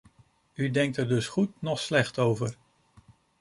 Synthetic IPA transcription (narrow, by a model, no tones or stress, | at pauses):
ydɛŋk̚təɹdɵsχutnɔχslɛχtowvəɹ